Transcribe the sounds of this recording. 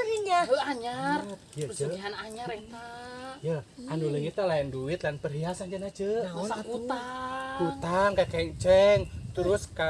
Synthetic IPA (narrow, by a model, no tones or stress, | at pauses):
səɦiŋɡaɦəaɲar | jad͡ʒəɦanaɲaret̪ajaanuləit̪alaɛnduɪt̪lanpərɦiasand͡ʒənad͡ʒəat̪̚ut̪akut̪aŋkakɛŋt͡ʃɛŋt̪əɾʊska